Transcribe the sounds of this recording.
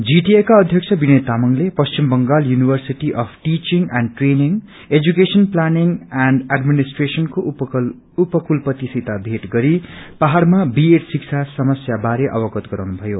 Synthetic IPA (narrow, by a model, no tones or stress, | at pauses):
d͡ziʈiekaʌd̪ʱjʌk̚t͡ʃʰʌbinʌjt̪amʌŋlepʌst͡ʃimbʌŋɡaljunibʱʌrsiʈiʔʌpʰʈit͡ʃiŋanɖʈreniŋ | ed͡zukesʌnplaniŋanɖaɖminisʈresʌnko | upʌkulpʌt̪isit̪abʱeʈɡʌɾipaɦarmabieʈsik̚t͡sʰasʌmʌsjabaɾeʔʌ̰bʌɡʌt̪ɡʌɾawnubʱʌjo